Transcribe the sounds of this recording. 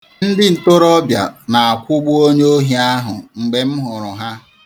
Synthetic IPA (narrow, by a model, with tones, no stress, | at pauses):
n̩˦dɪ˦n̩˨to˦ɾɔ˦bja̰˨na˨a˨kʷʊ˦ɡ͡bʊ˦o˦ɲe˦o˦ɦi˨a˦ɦʊ˨ŋ͡m̩˨ɡ͡be˨m̩˦ɦʊ˨ɾʊ˨ɦa˦